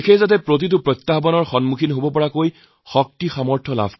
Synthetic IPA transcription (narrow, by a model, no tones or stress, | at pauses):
kʰejzat̬ɛpɹot̬it̬ʊpɹɔt̪ːaɦɔbɔnɔɹxɔnmukʰinɦobɔpɔɹakoj | xɔk̚tixamɔɹtʰɔla̰bʱ